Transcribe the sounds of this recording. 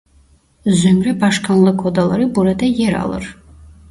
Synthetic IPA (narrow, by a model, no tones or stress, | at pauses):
zømɾɛbaʃkʰanlˠɯkʰɔd̪alˠaɾɯbuɾad̪ajɛɾɑ̰lˠɯ̰ɾ